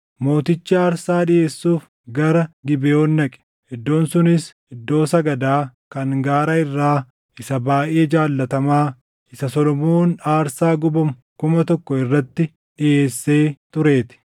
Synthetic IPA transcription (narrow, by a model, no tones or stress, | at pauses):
mo̞ːt̪ɪt͡ʃːɪaːɾsaːɗɪʔe̞ːsːuːf | ɡɐɾɐɡɪbɛjoːnːɐkʼɛ̥ | ɪd̪ːo̞ːnsʊnɪs | ɪd̪ːo̞ːsɐɡɐd̪aːkɐŋɡaːɾɐɪrːaː | ɪsɐbaːʔe̞ːd͡ʒaːlːɐt̪ɐmaː | ʔɪsɐsɔlɔmoːnaːɾsaːɡʊbɐmʊ | kʊmɐt̪ɔkːɔɪrːɐt̪ːɪ | ᶑɪʔe̞ːsːeːt̪ʊɾe̞ːt̪ɪ̥